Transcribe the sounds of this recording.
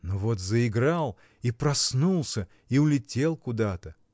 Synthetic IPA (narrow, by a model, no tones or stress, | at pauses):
novo̞t̪zəɪɡɾalˠ | ipɾɐsnulˠsʲə | iʊlʲɪtʲe̞lˠkʊd̪at̪ə